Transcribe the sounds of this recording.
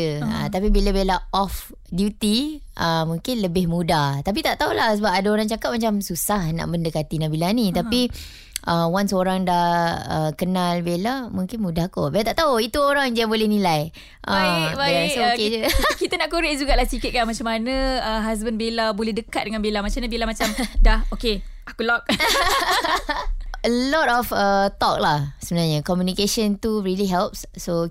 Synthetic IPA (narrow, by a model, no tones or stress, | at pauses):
əə̰t̪ap̬ibilabelaɔf | djut̪iʔəmũŋkɪnləbɪhmũdaht̪ap̬it̪aʔt̪aolahsəbap̚adaoɾaŋt͡ʃakat̚mat͡ʃamsusahna̰ʔbəndəkat̪inabilanit̪api | ʔəwansoɾaŋdahəkənalbelamũŋkɪnmudahko̰belat̪aʔt̪aoit̪uoɾaŋd͡ʒaabolɛhnĩlaj | ʔə̃jasoked͡ʒəkit̪ənaʔkuɾeʔd͡ʒuɡaʔlahsikɪt̪̚kamat͡ʃamanə̃əɦas̬bənbelabolɛhdəka̰t̪̚dəŋanbelamat͡ʃamɲãbelamat͡ʃamdahoke | akulɔk̚ | əlɔtɔfət̪ɔk̚lahsəbənalɲəkɔmjunikeʃənt̪uɹiliɦɛlp̚sso